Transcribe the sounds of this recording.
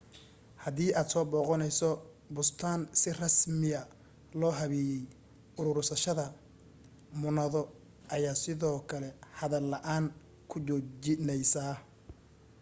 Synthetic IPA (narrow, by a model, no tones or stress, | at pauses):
hɐðiːʔaːd̪sɔːbɔːqɔnɛjsɔ | bʊst̪ʰaːnsɪrɐsmɪɐ | lɔːɦɐβɛjɛj | ʊɾʊɾsɐʃɐðɐ | mʊnɐðɔ | ʔɐjaːsɪðɔːkʰɐlɛhɐðɐlːɐʔaːn | kʰʊt͡ʃɔd͡ʒɪnɛjsaː